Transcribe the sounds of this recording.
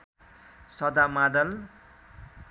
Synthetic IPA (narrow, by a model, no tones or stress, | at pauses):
sʌd̪amad̪ʌl